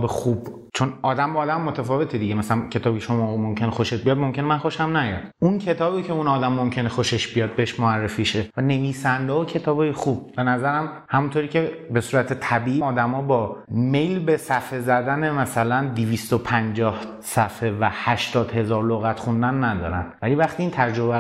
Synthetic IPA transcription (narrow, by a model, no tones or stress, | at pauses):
bexub̥ | t͡ʃʰo̞nɒːd̪æmbːd̪æmːot̪ʰæfɒːve̞t̪ʰed̪iɟemæsælæncʰet̪ɒːbiːcʰeʃo̞mɒːmo̞mcʰe̞nexo̞ʃet̪̚bijɒd̪mo̞mcʰʲe̞nemænxo̞ʃæmnæjɒ̰d̪̥uncʰet̪ʰɒːbiːcʰe̞unɒːd̪æmːomcʰe̞nexo̞ʃe̞ʃbijɒːd̪̚beheʃmoærːefiːʃevæne̞viːsænd̪eocʰe̞t̪ʰɒːbɒːjexub̚be̞næzæɾæm | hæmunt̪ʰoɾiːcʰebe̞suːɾæt̪ʰet̪ʰæbiːʔiɒːd̪æmɒːbɒːme̞jlbe̞sæfezæd̪æne̞mæsælænd̪iviːst̪opʰænd͡ʒɒːh | sæfevæhæʃt̪ɒːd̪he̞zɒːɾloɣæt̪χund̪ænːæd̪ɒ̰ːɾæ̰nvælivæxt̪iiːnt̪ʰæɾd͡ʒobæ